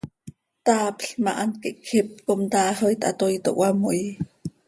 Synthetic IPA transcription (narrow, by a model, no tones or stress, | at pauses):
t̪aːpɬmɑʔankiʔkʰxip̚komt̪aːhojt̪ʔa̰t̪ojt̪o̰ʔwamoj